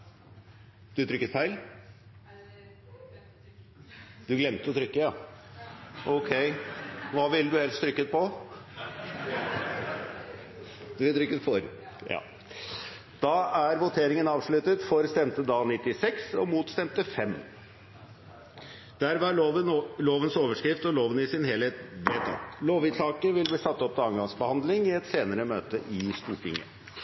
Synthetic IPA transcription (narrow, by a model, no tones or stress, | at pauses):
d̪̥ʉt̪ʰɾʏkːət̪fæɪl | d̪̥ʉɡlɛmt̪əɔt̪ʰɾʏkːəjɑ | ʔɔkʰɛɪʋɑːʋɪld̪ʉhɛlst̪ɾʏkːət̪̚pɔ | d̪̥ʉʋɪlt̪ɾʏkːət̪fɔɾ | jɑ̰ː | d̪̥ɑæɾʋʊt̪ʰeːɾɪŋənɑːʋʂɭʉt̪ət̪fɔɾst̪ɛmt̪əd̪ɑːlnɪt̪ːɪsɛksɔ̰muːt̪st̪ɛmt̪əfɛmː | d̪̥æɾʋɑəloːʋənsoːʋəʂkɾɪft̪ɔloːʋənɪsɪnhɛlheːt̪ʋet̪ɑ̰t̪loːʋɪɑːkəʋɪlbliːsɑt̪ːɔp̚ːt̪ɛɑŋɡɑŋsbəhɑnd̪lɪŋɪɛt̪seːnəɾəmøːt̪əʔɪst̪uːʈʰɪ̰ŋːə̰